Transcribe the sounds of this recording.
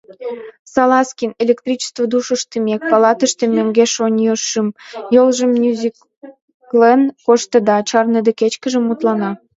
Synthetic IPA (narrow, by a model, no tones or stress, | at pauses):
sɑlɑskʲinelʲekt̪rʲit͡ɕə̥st̪vəd̪uʃəʃt̪əmʲek̚pɑlɑt̪əʃt̪emʲøŋɡeʃonʲjoʃəmjolʒəmnʲuzʲik | klenkoʃt̪əd̪ɑt͡ɕɑrned̪eket͡ɕkəʒə̆mut̪lɑnɑ